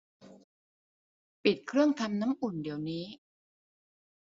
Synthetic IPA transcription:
pi˨˩t̪̚kʰɾɯ˥˩əŋt̪ʰa˧mna˦˥mʔu˨˩ndi˨˩əwniː˦˥

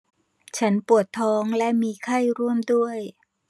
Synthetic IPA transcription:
t͡ɕʰa˦˥npu˨˩ət̪ʰːɔː˦˥ŋlɛ˦˥miː˧kʰa˥˩jɾu˥˩əmdu˥˩əj

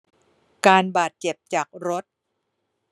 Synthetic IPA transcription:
kaː˧nbaː˨˩t̪̚t͡ɕe˨˩p̚t͡ɕaː˨˩k̚ɾo˦˥t̪̚

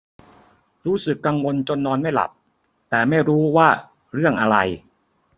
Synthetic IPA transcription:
ɾuː˦˥sɯ˨˩kːa˧ŋwo˧nt͡ɕo˧nːɔː˧nma˥˩jla̰˨˩p̚ | t̪ɛː˨˩ma˥˩jɾuː˦˥waː˥˩ | ɾɯ˥˩əŋʔa˧ɾa˧j

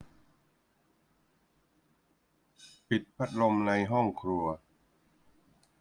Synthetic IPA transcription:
pi˨˩t̪̚pʰa˦˥t̪̚lo˧mna˧jɦɔ˥˩ŋkʰɾu˧ɐ

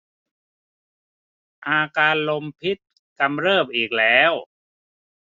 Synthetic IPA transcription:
ʔaː˧kaː˧nlo˧mpʰi˦˥t̪̚ | ka˧mɾɤː˥˩p̚ʔiː˨˩k̚lɛː˦˥w

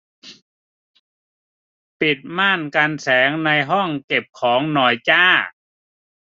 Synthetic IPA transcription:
pi˨˩t̪̚maː˥˩nka˧nsɛː˩˦ŋna˧jɦɔ˥˩ŋke˨˩p̚kʰɔː˩˦ŋnɔː˨˩jt͡ɕaː˥˩

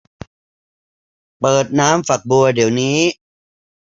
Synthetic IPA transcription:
pɤː˨˩t̪̚naː˦˥mfa˨˩k̚bu˧ɐdi˩˦wniː˦˥

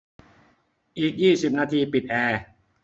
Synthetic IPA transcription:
ʔiː˨˩k̚jiː˥˩si˨˩p̚naː˧t̪ʰiː˧pi˨˩t̪̚ʔɛː˧

